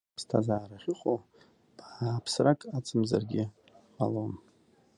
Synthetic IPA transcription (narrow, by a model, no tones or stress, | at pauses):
pstʰa̰zaːɾaχʲʊχʼo | b̥apʰsrakʼat͡sʼɨmza̰rɡʲɪ | malon